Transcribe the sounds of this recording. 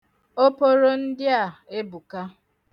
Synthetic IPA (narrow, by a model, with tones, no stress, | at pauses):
o˦po˦ɾo˦n̩˦dɪ˦a˨e˦bu˨ka˦